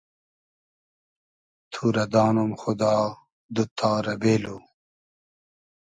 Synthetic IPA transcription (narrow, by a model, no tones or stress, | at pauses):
t̪ʰuɾɐd̪aːnumxʊd̪aː | d̪ut̪ʰːaːɾɐbeːlu